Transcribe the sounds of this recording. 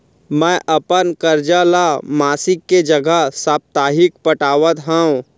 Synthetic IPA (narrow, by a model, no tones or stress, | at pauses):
mɛ̃ːʔəpənkəɾd͡ʒalamaːsɪkːed͡ʒəɡəsaːp̚t̪aːɦɪkpəʈaːʋət̪ɦɛ̃ũ